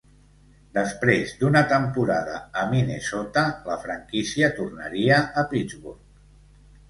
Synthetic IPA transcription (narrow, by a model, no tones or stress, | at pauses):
d̪əspɾezd̪unət̪əmpuɾaðə̰ːminesot̪ələfɾəŋkisiət̪urnəɾiəʔːpid͡zβuɾk